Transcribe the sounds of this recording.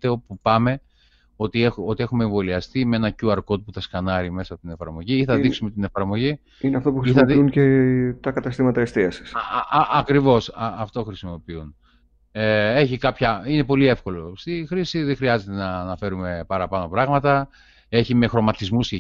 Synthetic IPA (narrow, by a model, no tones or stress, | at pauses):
t̪eopupɐme̞ | o̞t̪ieo̞t̪ie̞xume̞eɱvo̞liɐst̪imee̞nɐcuɐɾko̞t̪upuθɐskɐnɐɾime̞sɐpot̪ine̞fɐɾmo̞ʝiiθɐðiksumet̪ine̞fɐɾmo̞ʝi | ineɐft̪opuxɾisiɐðiuncet̪ɐkɐt̪ɐst̪imɐt̪ɐest̪iɐsi̥sɐkɾivo̞sɐːft̪o̞xɾisimo̞piun | ee̞çikɐpçɐine̞po̞lie̞fko̞lo̞st̪ixɾisiðexɾiɐze̞t̪e̞nɐːnɐfe̞ɾume̞pɐɾɐpɐno̞pɾɐɣmɐt̪ɐ | e̞çime̞xɾo̞mɐt̪izmuse